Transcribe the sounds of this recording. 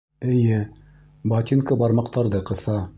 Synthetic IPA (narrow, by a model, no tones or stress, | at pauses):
ɘ̆jɘ | bɑt̪ʲinkɤbɑɾmɑq̚t̪ɑɾðɤqɤ̆θɑ